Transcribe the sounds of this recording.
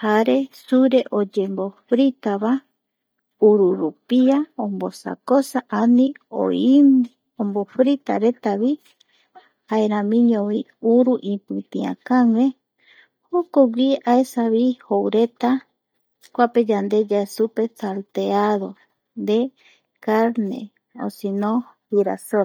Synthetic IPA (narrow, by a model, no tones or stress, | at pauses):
haɾe̞suɾe̞ʔod͡ʒembo̞fɾit̪aβa | uɾuɾupiaõmbosa̰kosaʔanĩo̰im | õmbofɾit̪a̰ɾe̞t̪aβi | haeɾãmĩɲõβi | uɾuʔipɨt̪ĩã̰kaŋe | hokoɡiaesaβihowɾet̪a | kʷaped͡ʒand̪ed͡ʒaesupet͡salt̪eaðo | nd̪e | kaɾnḛ | o̰sinõhiɾa̰so